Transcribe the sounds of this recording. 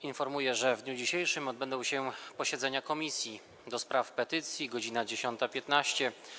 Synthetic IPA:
infɔɾmujɛʐɛvd̪ɲud͡ʑiɕejʂɘmɔd̪̚bɛnd̪ɔ̃w̃ɕɛpɔɕɛd̪zɛɲakɔmʲisʲji | d̪ɔspɾafpɛt̪ɘt̪sʲjiɡɔd͡ʑinad͡ʑeɕɔnt̪apʲjɛt̪naɕt͡ɕɛ

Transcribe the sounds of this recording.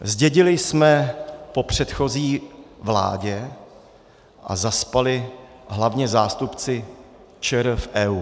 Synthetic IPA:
zɟɛɟɪlɪsmɛpo̞pr̝̥ɛt̪xo̞ziːvla̰ːɟɛ | ʔa̰zaspalɪ | ɦlavɲɛzaːst̪upt͡sɪ | t͡ʃɛɾfʔɛːuː

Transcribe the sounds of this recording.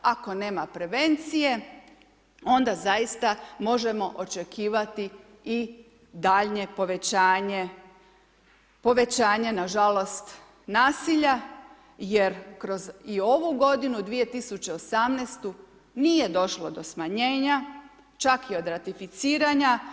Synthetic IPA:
ako̞ne̞ːmapɾe̞ʋe̞nt̪sije̞ | o̞nd̪azajist̪amo̞ʒe̞mo̞ʔot͡ʃe̞kʰiːʋat̪i | i | d̪aʎɲe̞po̞ʋe̞t͡ɕaːɲe | po̞ʋe̞t͡ɕaːɲe̞naʒalo̞st̪ | naːsiʎa | je̞ɾkɾo̞zio̞ʋuɡo̞d̪inud̪ʋije̞t̪isut͡ɕe̞osamnest̪u | nije̞d̪o̞ʃlo̞d̪o̞smaɲe̞ːɲa | t͡ʃakio̞d̪ɾat̪ifit̪siːɾaɲa

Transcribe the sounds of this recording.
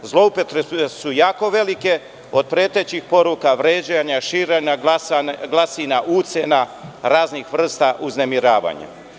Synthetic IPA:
zlˠo̞upet̪ɾeesujaːko̞ʋe̞like̞ | od̪̚pɾet̪et͡ɕixpo̞ɾukaʋɾeːd͡ʑaɲaʃiːɾeɲa | ɡlˠasinaʔut̪senaɾaːznixʋr̩st̪aʔuznemiɾaːʋa̰ɲa̰

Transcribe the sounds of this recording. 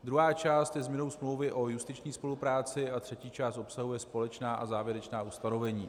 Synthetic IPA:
d̪ɾuɦaːt͡ʃaːst̪jɛzmɲɛno̞wsmlo̞wvɪʔo̞just̪ɪt͡ʃɲiːspo̞lupɾaːt͡sɪat̪r̥ɛciːt͡ʃaːst̪ʔo̞psaɦujɛspo̞lɛt͡ʃnaːʔazaːvjɛɾɛt͡ʃnaːust̪ano̞vɛɲiː

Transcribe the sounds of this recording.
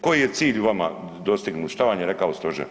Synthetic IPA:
kojije̞t̪siːʎuʋama | d̪o̞st̪iɡnut̪ʃt̪aʋamjeɾekaost̪oʒe

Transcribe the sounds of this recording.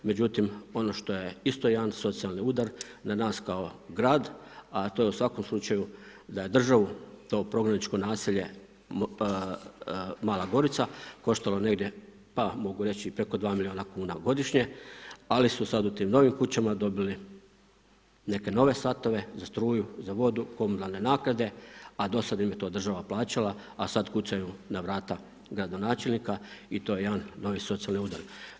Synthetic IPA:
me̞d͡ʑut̪imo̞no̞ʃt̪o̞je̞ist̪o̞jeanso̞t̪sialˠniud̪aɾnanaːskaoɡɾaːd̪at̪ojeusʋako̞mslˠut͡ʃajud̪aje̞d̪r̩ʒaʋut̪o̞ːpɾo̞ɡɾanit͡ʃko̞naːsiʎe̞ | maːlˠaɡo̞ɾit̪sako̞ʃt̪alo̞ne̞ɡd̪je̞ | pamo̞ɡuɾe̞t͡ɕipɾe̞ko̞d̪ʋaːmilio̞ːnakuːnaɡo̞d̪iʃɲe̞alisusad̪ut̪iːmno̞ʋimkut͡ɕamad̪o̞bili | ne̞ke̞no̞ʋe̞sat̪o̞ʋe̞zast̪ɾuːjuzaʋo̞d̪uko̞munalˠne̞naːkɾad̪e̞ad̪o̞sad̪imjet̪o̞ːd̪r̩ʒaʋaplˠaːt͡ɕalaasad̪kut͡ʃ̪ajunaʋɾaːt̪a | ɡɾad̪o̞naːt͡ʃe̞lʲnikait̪o̞jeed̪anːo̞ʋiso̞t̪sijalniud̪aɾ

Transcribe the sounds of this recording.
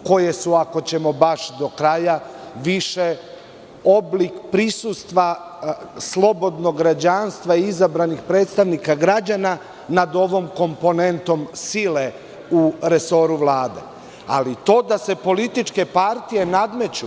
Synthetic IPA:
ko̞je̞suako̞t͡ɕe̞mo̞baʃd̪o̞kɾajaʋiʃe | o̞blikpɾisust̪ʋa | slˠo̞bo̞d̪no̞ɡɾad͡ʑanst̪ʋaiizabɾanixpɾe̞ːt̪st̪aʋnikaɡɾad͡ʑana | nad̪o̞ʋo̞mko̞mpo̞ne̞nt̪o̞msile | uɾeso̞ɾuʋlaːd̪ḛ | a̰lit̪o̞ːd̪ase̞po̞lit̪it͡ʃke̞paɾt̪ije̞nad̪me̞t͡ɕu

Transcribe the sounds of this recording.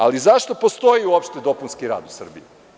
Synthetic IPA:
a̰lizaʃt̪o̞po̞st̪o̞jiuopʃt̪ed̪o̞punskiɾa̰ːd̪usr̩bḭi

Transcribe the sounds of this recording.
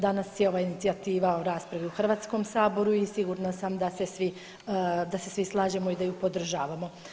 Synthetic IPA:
d̪anasjeo̞ʋaːinit̪iat̪iːʋaoɾaːspɾaʋiuxr̩ʋaːt̪sko̞msaːbo̞ɾuisiɡuːɾnasamd̪ase̞sʋi | d̪ase̞sʋislˠaːʒemoid̪ajupo̞d̪r̩ʒaːʋamo̞

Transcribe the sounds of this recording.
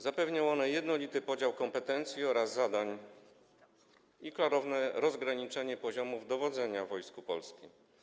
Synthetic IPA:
zapɛvɲaw̃ɔnɛjɛd̪nɔlʲit̪ɘpɔd͡ʑawkɔmpɛt̪ɛnt̪sʲjiɔɾazːad̪aɲ | iklaɾɔvnɛɾɔzɡɾaɲit͡ʂɛɲɛpɔʑɔmuvd̪ɔvɔd̪zɛɲavɔjskupɔlskʲim

